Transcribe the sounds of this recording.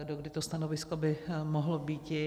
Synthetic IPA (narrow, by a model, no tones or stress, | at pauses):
doɡdɪt̪ost̪anovɪskobɪmoɦlobiːc̪